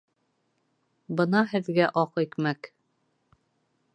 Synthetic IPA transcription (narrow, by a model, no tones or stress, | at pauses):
bɤnɑhɘ̆ðɡæʔɒqikmæk